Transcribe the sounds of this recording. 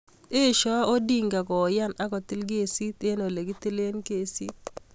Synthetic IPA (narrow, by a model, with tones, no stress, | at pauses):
e˦˨ʃɔ˦o˦di˦ŋɡa˨kɔ˨ja˦na˦kɔ˨ti˦lɡe˦˨si˦t̪e˦no˨le˨ɡi˦ti˦le˦nke˨sḭ˦t̚